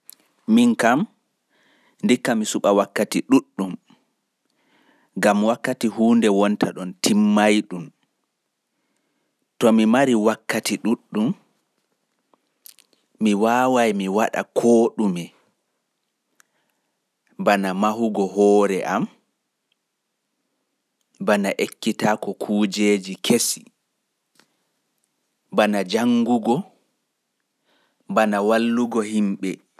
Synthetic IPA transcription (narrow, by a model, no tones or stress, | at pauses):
miŋkam | ndikːamisuɓawakːatiɗuɗːum | ɡamwakːatiɦuːndɛwɔntaɗɔntʰimːajɗum | tɔmimaɾiwakːatiɗuɗːum | iwawajmiwaɗa̰kʰoːɗumɛ | banamaɦuɡɔɦɔːɾɛʔam | banaʔekːitakɔkʰuːd͡ʒeːd͡ʒikʰesi̥ | banad͡ʒaŋɡuɡɔ | banawalːuɡɔhimɓɛ